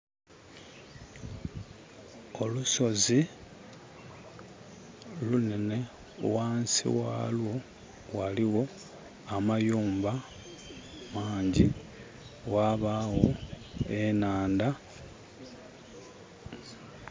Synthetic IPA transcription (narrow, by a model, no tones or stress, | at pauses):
o̞luso̞zi | lunene̞ | waːnsḭwa̰lwo̞ | waliɣo̞ | amajuːmba | maːɲɟi | ɣwaβaɣo̞ | e̞naːnda